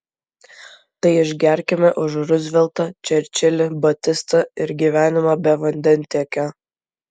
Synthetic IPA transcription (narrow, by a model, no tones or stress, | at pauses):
t̪ɐɪɪʒʲɡʲæˑɾʲkʲɛmʲɛʔʊʒɾʊzʲʋʲɛlˠt̪ɐt͡ʃʲɛɾʲt͡ʃʲɪlʲɪbɐt̪ʲɪst̪ɐɪɾɡʲiːʋʲæːnʲɪmɐbʲɛʋɐnʲd̪ʲɛnʲt̪ʲeɛkʲɛ